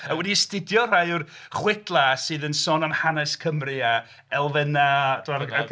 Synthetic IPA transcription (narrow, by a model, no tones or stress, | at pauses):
əwɛdistɪdjɔr̥ajʊr | χwɪdlˠasɨːðənsɔnəmhanɛskʰəmrɨa | ɛlˠvɛnadʰmaa